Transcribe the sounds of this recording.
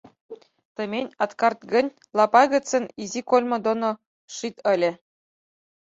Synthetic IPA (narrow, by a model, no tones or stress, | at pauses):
t̪ɤ̆mʲenʲɑt̪kɑrt̪ɡɘ̆nʲ | lˠɑpɑɣɤ̆t͡sɘ̆nizikolʲmɤ̆d̪ono | ʂit̪ɘ̆lʲɘ̆